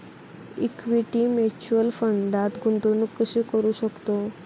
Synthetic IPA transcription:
ḭkʋiʈimet͡ɕuəlfəɳɖat̪ɡʱunt̪onukːəɕekəɾuːɕəkt̪o

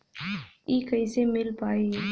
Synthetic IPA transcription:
iːkəisemɪlpaːeː

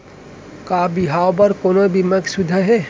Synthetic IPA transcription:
kaːbiɦaːwbɐɾkoːnobiməksud̪ʱəɦe

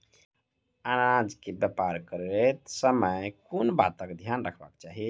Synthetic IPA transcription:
aɾad͡ʒkebəpaɾkəɾet̪səməjkonba̰t̪əkd̪ʱjanɾəkʰba̰kt͡ʃaɦi

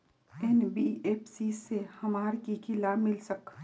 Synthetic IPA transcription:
ɛnbieːpʰsiːsːehɐmaːɾkikʰɪlamɪlsək

